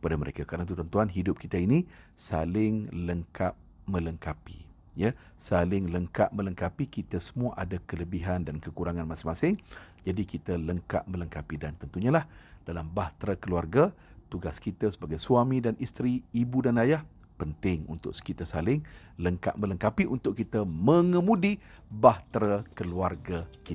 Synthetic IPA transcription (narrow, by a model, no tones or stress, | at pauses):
əpadaməɾḛkakəɾanat̪̬ut̪ənt̪uanɦidʊp̚kit̪ainisalɪŋləŋkʰat̚mə̃ləŋkapḭ | jə | salɪŋləŋkaʔ̚mə̃ləŋkapikit̪əsə̥muaʔadakələbiɦandankəkuɾaŋanmasɪŋmasɪŋd͡ʒadikit̪ələŋka̰ʔ̪̚mə̃ləŋkapidant̪ənt̪uɲalahd̥alambaht̪ɾakəluarɡa | t̪uɡaskit̪əsəbaɡajsuamĩdanist̪ɾiːbudanajah | pənt̪ɪŋṵnt̪ʊ̰ʔsə̥kit̪əsalɪŋ | ləŋka̰ʔ̪̚mə̃ləŋkapiʔunt̪ʊʔkit̪əmə̃ŋəmũdibaht̪ɾakəluarɡakit̪